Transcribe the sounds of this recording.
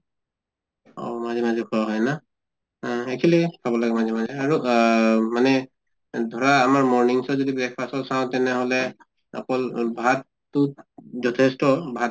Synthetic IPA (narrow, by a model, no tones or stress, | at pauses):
ɔ̰mazɛmazɛkʰɔaɦɔjna | ekʰilipʰabɔlaɡɛmazɛmazɛaɹu | manɛ | dʱɔɹaːmaɹmɔɹniŋsɔzodibɛk̚ʰpasɔsaʊ̃tɛnɛɦɔlɛ | ɔ̰kɔlbʱatː | uzɔtʰɛstɔbʱat